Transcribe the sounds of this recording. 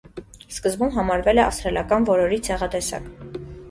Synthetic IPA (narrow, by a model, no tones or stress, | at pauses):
skəzbumɦɑmɑɾvɛlɛɑ̰fst̪ɾɛljɑkɑnvɔɾɔɾit͡sʰɛʁɑt̪ɛsɑ̰k